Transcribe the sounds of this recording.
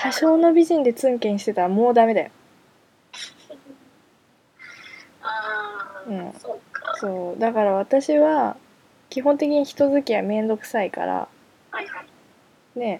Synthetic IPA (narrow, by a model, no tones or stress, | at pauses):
ɕaɕo̞ːno̞bʲiʑĩnd̪e̞t͡sɨ̃ŋkẽ̞ɰ̃ɕi̥t̪e̞t̪aɾamo̞ːd̪ame̞d̪ajo | ɯ̟̃ɴso̞ːd̪akaɾaβ̞at̪aɕiβa | kʲiɦõ̞nt̪e̞kʲiɲ̟içi̥t̪o̞zɨkʲiβamẽ̞nd̪o̞kɯ̟̥saika̰ɾa̰ | ne̞